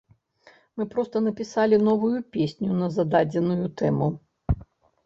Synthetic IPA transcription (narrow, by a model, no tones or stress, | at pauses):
mɨpɾɔst̪ɐnɐpʲisalʲinɔvujupʲesʲnʲunɐzad̪ad͡zʲɛnujut̪ɛmu